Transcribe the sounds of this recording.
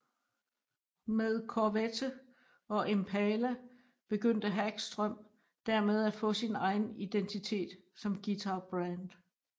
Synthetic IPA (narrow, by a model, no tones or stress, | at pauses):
með̞ˠkʰɒʋet͡sʰə | ɒ̽ʔempʰɛlæ | b̥e̝ɡ̥øn̰d̥əɦæɡ̥sd̥ʁœm̰ | d̥æɐ̰með̞ˠæ̥fɔ̽ːsinɑ̈ɪn̩id̥ent͡sʰit͡sʰe̝̰ːd̥ | sɒ̽mɡ̥it͡sʰɑb̥ʁænd̥